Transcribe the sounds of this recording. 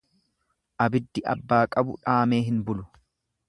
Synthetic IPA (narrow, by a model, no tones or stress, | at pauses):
ʔɐbɪd̪ːɪʔɐ̰bːaːkʼɐbʊ̰ᶑaːme̞ːɦɪnbʊlʊ